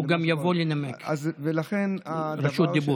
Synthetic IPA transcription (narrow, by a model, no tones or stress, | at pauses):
uɡamjavolinamekzvelaχɛnɾaʃut̪̚d̪ibu